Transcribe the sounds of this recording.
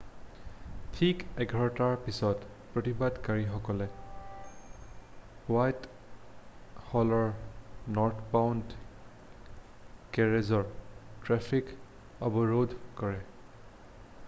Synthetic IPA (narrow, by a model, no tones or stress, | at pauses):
tʰikɛɡʱɔɹɔtaɹpisɔt | pɹotibadkaɹixɔkɔlɛ | wajt | hɔlɔɹnɔɹtʰpawnd | kɛɹezɔɹtɹɛpʰik | ɔbɔɹodʱkɔɹɛ